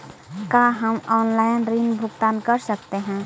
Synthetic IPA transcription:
kaɦəmɔːnlaɪnɾinbʱʊɡt̪aːnkəɾsəkt̪eɦɛ̃

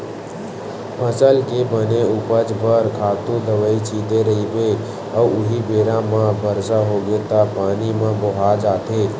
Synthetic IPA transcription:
pʰəsəlkebəneʊpəd͡ʒbəɾkʰaːt̪ũd̪əʋəit͡ʃʰid̪eɾəɦibe | əuʊɦibeːɾãmãbʱəɾsaɦoɡet̪apaːnimãboɦad͡ʒaːt̪ʰe

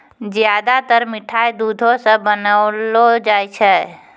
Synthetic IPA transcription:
d͡ʒjad̪at̪əɾmɪʈʰaːjd̪ud̪ʱosə̃bənaʊlod͡ʒajt͡ʃʰɛ

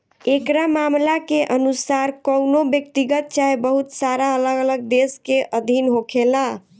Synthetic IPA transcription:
ekɾamamlakeʔənusaɾkəwnobjək̚t̪iɡət̪̚t͡ʃaɦebəɦut̪saɾaələɡələɡ̚d̪eskeʔəd̪ʱinɦokʰela

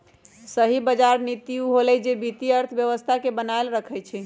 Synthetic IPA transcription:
səɦibəd͡ʒaɾnit̪iuɦolɛd͡ʒebit̪iəɾt̪ʰəbjəʋəst̪ʰakebənaelɾəkʰɛjt͡ʃʰɛ

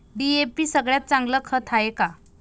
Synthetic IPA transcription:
ɖiepiːsəɡɭjat̪̚t͡sãŋɡləːkʰət̪ʰaeka

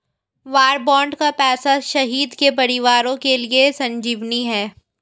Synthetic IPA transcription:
ʋaːɾbɔ̃ːɳɖkapɛːsaʃɐɦiːd̪kep̬ɐɾɪʋaːɾõkeliesɐ̃ɲd͡ʒiːʋniɦɛː

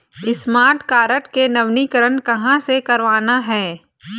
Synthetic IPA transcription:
ɪsmaːɾʈkaːɾəʈkenɐʋnikəɾənkɐɦãsekɐɾʋaːnaɦɛː

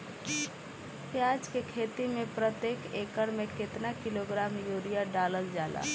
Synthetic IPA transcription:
pjaːd͡ʒkekʰeːt̪imẽpɾət̪jeːkeːkəɽmẽkɪt̪nakɪloːɡɾaːmjuːɾijaɖaːləɾd͡ʒaːla̰ː

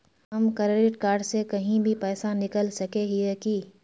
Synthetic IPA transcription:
ɦɐmkɐɾɾɪʈkaːɾɖsekɐɦĩbʱipɛːsanɪkəlsɐkeɦiɛki

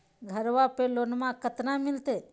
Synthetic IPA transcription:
ɡʱəɾʋapelonmãkət̪nãmɪlt̪eː

